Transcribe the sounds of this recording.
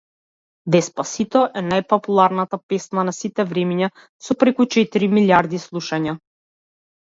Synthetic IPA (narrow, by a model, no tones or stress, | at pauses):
d̪ɛspasit̪ɔʔɛnajpɔpulˠaɾnat̪apɛsnanasit̪ɛvɾɛmiɲa | sɔpɾɛkut͡ʃɛt̪iɾimiljaɾd̪islˠuʃaɲa